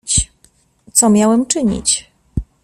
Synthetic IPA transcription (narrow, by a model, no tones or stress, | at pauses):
t͡ɕ | t̪sɔmʲjawɛmt͡ʂɘɲḭt͡ɕ